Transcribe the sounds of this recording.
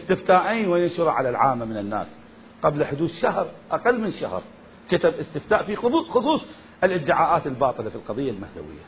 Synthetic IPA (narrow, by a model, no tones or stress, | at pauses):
ʔɪst̪ɪft̪aːʔiːnweːnɪnʃʊɾˤɑʕalalʕaːmːamɪnɪnːa̰ːs | qablaħʊd̪uːθʃahɾˤʔaqalːmɪnʃa̰hɾˤ | kat̪abʔɪst̪ɪft̪aːʔfixʊðˤuːxʊsˤuːsˤ | ʔɪlʔɪd̪ːɪʕaːʔaːt̪ɪlbɑːt̪ˤɨlafilqɑðˤɨjːalmahd̪a̰wɪ̰jːa̰